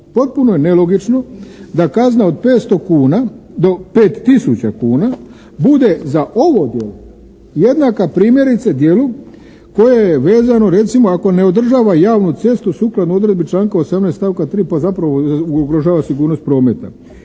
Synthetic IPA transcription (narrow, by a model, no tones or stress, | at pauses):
po̞t̪̚puno̞jenelo̞ɡit͡ʃno̞d̪akaznao̞d̪peːt̪st̪okuːnad̪ope̞ːt̪ːisut͡ɕakuːna | bud̪e̞zaʔo̞ʋo̞d̪je̞lo | je̞d̪nakapɾiːmje̞ɾit̪sad̪je̞lu | ko̞jejeʋe̞ːzano̞ɾe̞t̪simo̞ako̞ne̞o̞d̪r̩ʒaːʋajaːʋnut̪se̞st̪usuːklad̪nuo̞d̪ɾe̞d̪bit͡ʃlaːŋkaosamnest̪aʋkat̪ɾiːpazapɾaʋouɡɾoʒaːʋasiɡuːɾnost̪̚pɾo̞ːme̞t̪a̰